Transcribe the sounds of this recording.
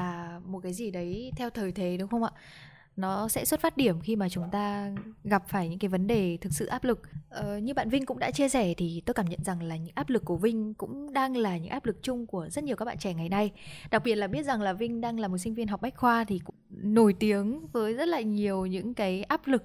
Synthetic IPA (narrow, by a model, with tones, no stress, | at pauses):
aː˨˩mo˨˩t̚kaː˨˦jzi˨˩ɗə˨˦jt̪ʰɛ˧wt̪ʰəː˨˩jt̪ʰe˨˦ɗɨ˨˦ŋ͡mxə˧wŋ͡mʔa̰ː˧˨ | nɔ˨˦sɛ̰˧˥swt̚faː˦˥t̚ɗi˧˩əmxi˧maː˨˩t͡ɕʊ˨˦ŋ͡mt̪aː˧ɣa˨˩p̚faː˧˩jɲɨ̰˧˥ŋkaː˨˦jvə˨˦nɗe˨˩t̪ʰɨ˨˩k̚sɨ̰˧˨ʔaː˦˥p̚lɨ˨˩k̚ʔəː˨˩ɲɨ˧ɓa̰ː˧˨nvï˧ŋkʊ̰˧˥ŋ͡mɗa̰ː˧˥t͡ɕi˧əsɛ˧˩t̪ʰi˨˩t̪o˧jkaː˧˩mɲə̰˧˨nza˨˩ŋlaː˨˩ɲɨ̰˧˥ŋʔaː˦˥p̚lɨ˨˩kːu˧˩əvï˧ŋ̟kʊ̰˧˥ŋ͡mɗaː˧ŋlaː˨˩ɲɨ̰˧˥ŋʔaː˦˥p̚lɨ˨˩k̚t͡ɕʊ˧ŋ͡mku˧˩əzə˦˥t̚ɲi˨˩əwa˦˥kɓa̰ː˧˨t͡ɕɛ˧˩ŋa˨˩jna˧jɗa˨˩k̚ɓi˨˩ət̚laː˨˩ɓi˦˥ət̚za˨˩ŋlaː˨˩vï˧ŋ̟ɗaː˧ŋlaː˨˩mo˨˩t̚sï˧ŋ̟vi˧nɦa˨˩wk͡p̚ma˦˥k̟̚xwaː˧t̪ʰi˨˩kʊ̰˧˥no˧˩jt̪i˨˦əŋvəː˨˦jzə˦˥t̚laː˨˩ɲi˨˩əwɲɨ̰˧˥ŋkaː˨˦jʔaː˦˥p̚lɨ˨˩k̚